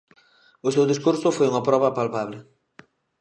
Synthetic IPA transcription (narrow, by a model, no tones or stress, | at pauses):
ʊsewðiskuɾsʊfojuŋapɾɔβɐpalpaβlɪ